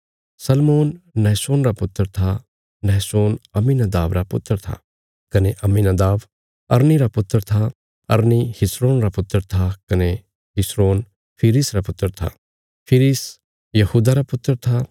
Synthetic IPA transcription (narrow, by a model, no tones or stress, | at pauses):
sɐlmoːnːɛːsoːnɾapʊt̪ːəɾt̪ʰa | nɛːsoːnɐmːinɐd̪aːʋɾapʊt̪ːəɾt̪ʰa̰ | kɐneʔɐmːinɐd̪aːʋ | ɐɾniɾapʊt̪ːəɾt̪ʰa | ɐ̰ɾnihɪsɾoːnɾapʊt̪ːəɾt̪ʰakɐne | ɦɪsɾoːn | pʰɪɾisɾapʊt̪ːəɾt̪ʰa̰ | pʰɪɾis | jɐhuːd̪aɾapʊt̪ːəɾt̪ʰa